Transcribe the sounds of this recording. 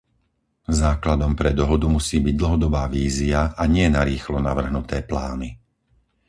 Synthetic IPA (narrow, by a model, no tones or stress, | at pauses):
zaːklad̪ɔmpɾɛd̪ɔɦɔd̪umusiːbiɟ̚d̪l̩ɦɔd̪ɔbaːʋiːziaʔaɲɪɛnaɾiːxlɔnaʋr̩ɦnut̪ɛːplaːni